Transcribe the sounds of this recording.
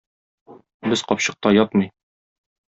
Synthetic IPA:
bɘzqɒpɕɤ̆q̚t̪ɑjɒt̪mɤj

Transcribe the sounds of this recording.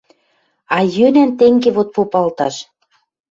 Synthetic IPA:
ɑjønænt̪eŋɡeβot̪̚popɑlt̪ɑʃ

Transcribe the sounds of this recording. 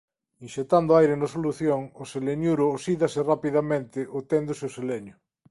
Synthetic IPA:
inʃet̪and̪oajɾenosoluθjoŋoseleɲuɾʊːsiðasɪrapiðamẽnt̪ɪʔot̪end̪ʊseoseleɲʊ

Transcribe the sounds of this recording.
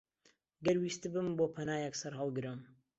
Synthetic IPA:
ɡɐɾwiːst̪ɨbɨmboːpʰɐnaːjɛksɐɾɦɐlˠɡɨɾɨm

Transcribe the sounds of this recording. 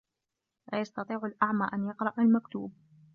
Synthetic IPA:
laːjɑst̪ɑt̪ˤiːʕʊlʔaʕmaːʔanjɑqɾˤɑʔalmakt̪uːb̚

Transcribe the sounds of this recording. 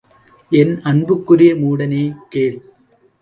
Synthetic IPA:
ʔɛnɐɳbɯkːʊɾɪjɐmuːɽɐneːkeːɭ

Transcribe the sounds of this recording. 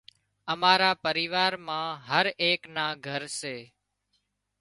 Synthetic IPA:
əmaːɾaːpəɾiːʋaːɾmãːɦəɾeːknãːɡʱəɾseː

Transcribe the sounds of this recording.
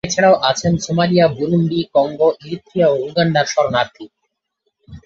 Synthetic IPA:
et͡ɕʰeɽ̃aoʔat͡ɕʰensomalijabuɾumbikɔŋɡoʔiɾit̪ʰːɾijaoɾuɡanɖ̪aɾʃɔɾonaɾt̪ʰi

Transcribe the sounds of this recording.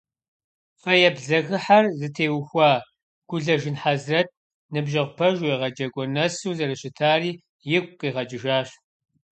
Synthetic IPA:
fɐjɛbɮɐɣɨħarzɨtʰeːwxʷɑː | ɡ̥ʷʊɮɐʒɪnħazrɐt̚ | nɨbʒɐʁʷʊpʰɐʒwɛʁɐd͡ʒɐkʷʼɔnɐsuːzɐɾɐɕɪtʰaːriː | jɪkʷʼqiːʁɐd͡ʒɪʒaːɕ

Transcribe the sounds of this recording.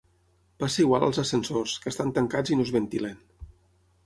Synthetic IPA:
pasəiɣwalˠə̰lˠzəsənsorskəːst̪ant̪əŋkad͡zinozβənt̪ilən

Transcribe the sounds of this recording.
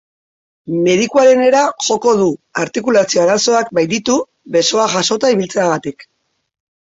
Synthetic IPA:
me̞ðikuaɾe̞ne̞ɾaʝo̞ko̞ðuaɾt̪ikulasio̞aɾaso̞ak̚bajd̪it̪u | βe̞so̞aʝaso̞t̪aiβilt͡se̞aɣat̪ik

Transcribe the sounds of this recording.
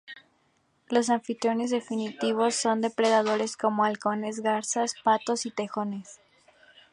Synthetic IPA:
lo̞s̬aɱfit̪ɾjo̞ne̞zðe̞finit̪iβ̞o̞sːo̞nd̪e̞pɾe̞ðað̞o̞ɾe̞sko̞mo̞alko̞ne̞zɣaɾsaspat̪o̞sit̪e̞xo̞ne̞s

